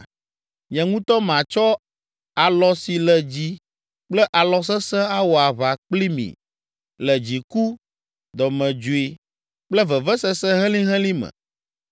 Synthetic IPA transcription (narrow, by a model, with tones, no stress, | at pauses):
ɲɛ̃˨ŋũ˦t̪ɔ˦mã˨t͡ʃɔ˦ | a˨lɔ˨si˨lɛ˨d͡ʑi˦ | k͡plɛ˦ʔa˨lɔ˨s̬ɛ˦sɛ̃˦a˦wɔ˨a˨βa˨k͡pli˦mḭ̃˨ | lɛ˨d͡ʑi˨ku˦ | d̪ɔ˨mɛ̃˨d͡ʒu˨i˦ | k͡plɛ˦vɛ˨vɛ˦sɛ˦sɛ˦ɦɛ̃˦lĩ˦ɦɛ̃˦lĩ˦mɛ̰̃˨